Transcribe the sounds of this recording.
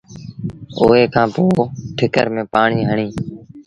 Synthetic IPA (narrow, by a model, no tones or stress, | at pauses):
oːeːkʰãːpoːʈʰɪkə̰ɾmẽːpaːɳiːɦəɳiː